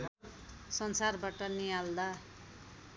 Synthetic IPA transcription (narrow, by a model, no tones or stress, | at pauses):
sʌnsarbaʈʌnijald̪a